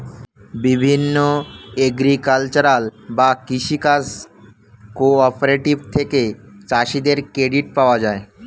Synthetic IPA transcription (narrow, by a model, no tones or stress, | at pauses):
bibʱinːoeɡɾikalt͡ɕoɾalbakiʃikas | koɔpeɾeʈibt̪ʰeket͡ɕaʃid̪eɾkɾeɖiʈ̚paoad͡ʑae